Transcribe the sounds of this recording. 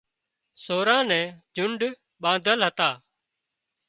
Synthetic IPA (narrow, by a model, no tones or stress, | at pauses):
soːɾãːnɛ̃ːd͡ʒʊɳɖ | ɓãːd̪ʱəlɦət̪aː